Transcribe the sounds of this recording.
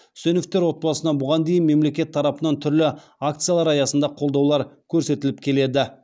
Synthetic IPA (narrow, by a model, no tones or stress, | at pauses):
sɵnɪft̪ːe̞ɾwo̞t̪̚bɑsənɑbʊʁɑnd̪e̞jɪnme̞mle̞kʲe̞t̪ʰːɑɾɑpənɑnt̪ʰʏɾlɪ | akt̪sɨjalˠɑɾɑjɑsənd̪ɑqʰo̞lˠd̪ɑwlˠɑɾkʲʰɵɾse̞t̪ɪlɪp̚kʲʰe̞le̞d̪ɪ